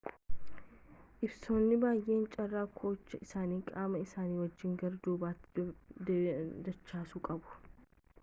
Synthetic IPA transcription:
ʔɪbsoːnːɪbaːjʔe̞ːnt͡ʃʼɐrːaːkʰo̞ːt͡ʃːɐɪsaːniːkʼaːmɐɪsaːniːwɐd͡ʒːɪŋɡɐɾd̪uːbaːt̪ː | d̪ɐt͡ʃːaːsʊkʼɐbʊ̥

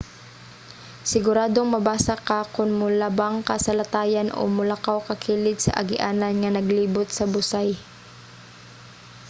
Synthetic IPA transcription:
sɪɡʊɾaːd̪oŋmɐbaːsakakʊnmʊlabaŋkasɐlat̪aːjanʔo̰mʊlakawkɐkʰiːlɪt̪sɐ̰ʔɐ̰ɡɪʔaːnanŋɐnɐɡliːbʊt̪̚sɐbʊsaj

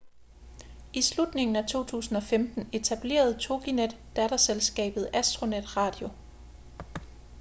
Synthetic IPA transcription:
ʔislud̥ne̝ŋn̩æt͡sʰo̝̰ːt͡sʰṵːsn̩ɒ̽femd̥n̩e̝t͡sʰæb̥le̝̰ːɐð̞̩ˠt͡sʰo̝ɡ̥ined̥ːæɾ̥ɐselsɡ̥ɛ̰ːb̥ð̞̩ˠæsd̥ʁo̝ned̥ʁɑ̈ːd̥jo̝

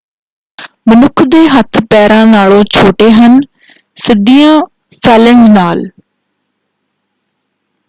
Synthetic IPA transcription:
mənʊkʰd̪eːɦət̪ʰpɛːɾãːnaːɭõːt͡ʃʰoːʈeːɦən | sɪd̪iːãː | pʰɛːlɪŋznaːl

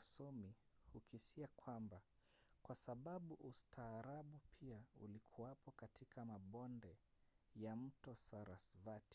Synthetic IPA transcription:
sɔmihukisiakwambakwasaɓaɓuʔustʰaːɾaɓupʰiaṵlikʰuwapɔkatikʰamaɓɔndɛ | jam̩tɔsaɾasvati̥

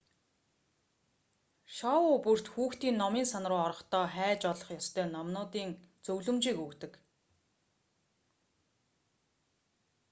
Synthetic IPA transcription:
ʃɔʊpur̥t̪xuːxt̪iːnːɔmiːnsanrʊːɔɾɞ̆χt̪ɔːχæːt͡ɕɔɮɞ̆χjɔst̪ʰœːnɔmnʊːt̪iːŋt͡sɵwɮɵ̆mt͡ɕiːkɵkt̪ɵ̆k

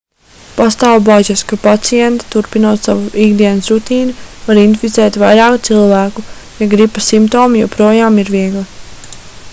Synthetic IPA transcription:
past̪aːwbaʒaskapat̪sijɛnt̪ḁt̪uɾpinuɔt̪savuiɡd̪iɛnsɾut̪iːnuvaɾind̪fʲit̪sɛːt̪vajɾɑːkut̪silˠvæːku | jaɡɾipasimpt̪oːmijowpɾuɔjaːmiɾviɛɡlˠa

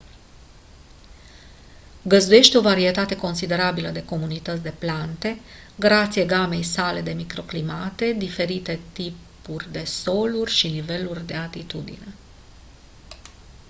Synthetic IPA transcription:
ɡəzd̪uje̞ʃt̪eo̞vaɾie̞t̪at̪e̞ko̞nsid̪e̞ɾabiləd̪e̞ko̞munit̪ət̪sʲd̪e̞plant̪e̞ | ɡɾat̪sieɡame̞jsale̞d̪e̞mikɾo̞klimat̪e̞d̪ife̞ɾit̪e̞t̪ipurʲd̪e̞so̞lurʲʃinive̞lurʲd̪e̞at̪it̪ud̪ḭne̞

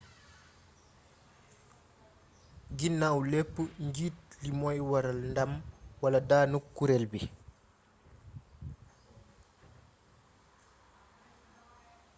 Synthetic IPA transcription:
ɡinːawlepːuɲɟiːt̚limɔjwaɾalndamwaladaːnukːuɾelbi

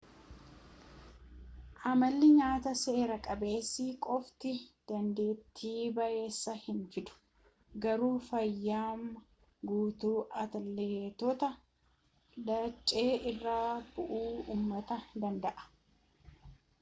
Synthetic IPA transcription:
ʔɐmɐlːɪɲaːt̪ɐse̞ːɾɐkʼɐbe̞ːsːɪkʼɔft̪ɪd̪̥ɐnd̪e̞ːt̪ʰːiːbɐʔe̞ːsːɐhɪnfɪd̪ʊ̥ | ɡɐɾuːfɐjːaːm | ɡuːt̪uːʔɐt̪ɐlːet̪ɔt̪ɐ | dɐt͡ʃʼːe̞ːʔɪrːaːb̥ʊʔuːuːmːɐt̪ɐd̪ɐnd̪ɐʔɐ̥

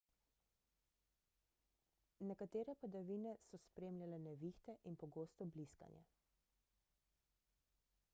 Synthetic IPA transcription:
nɛkat̪eːɾɛpad̪aʋiːnɛsɔspɾeːmlʲjalɛnɛʋiːxt̪ɛʔinpɔɡoːst̪ɔbliska̰njɛ̰

